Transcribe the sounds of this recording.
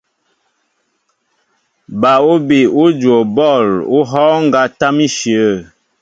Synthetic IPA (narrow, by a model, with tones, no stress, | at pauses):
ba˨u˦bi˨u˦d͡ʒwo˨bɔ˦˨lu˦ɦɔː˦ŋ̩˦ɡa˦ta˦mi˦ʃjə˦˨